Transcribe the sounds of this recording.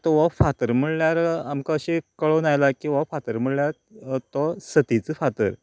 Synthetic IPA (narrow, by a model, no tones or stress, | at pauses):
t̪ɔʋafat̪əɾm̤əɭɭjaɾamkaəɕekəɭonajlakĩw̃ʋafat̪əɾm̤əɽljaɾ | t̪ɔsət̪it͡səːfat̪əɾ